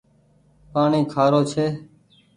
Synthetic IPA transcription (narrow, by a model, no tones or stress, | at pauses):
paːɳiːkʰaːɾoːt͡ʃʰeː